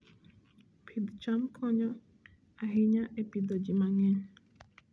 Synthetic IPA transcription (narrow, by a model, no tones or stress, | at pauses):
pʰidt͡ʃam̩kʰɔɲɔ | aɦɪɲaʔepidɔd͡ʒimaŋɛ